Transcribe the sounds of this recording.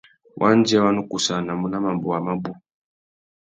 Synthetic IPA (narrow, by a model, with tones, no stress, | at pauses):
wʔa˦nd͡ʒi˦a˦wa˦nu˦ku˨sa˨na˨mu˦na˦ma˨mbɔ˨a˨ma˦bu˦